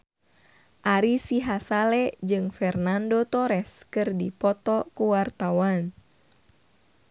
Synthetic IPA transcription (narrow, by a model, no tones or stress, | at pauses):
ʔaɾisiɦasalɛd͡ʒɨŋfɛrnandot̪ɔɾɛskɨrdipɔt̪ɔkuwart̪awan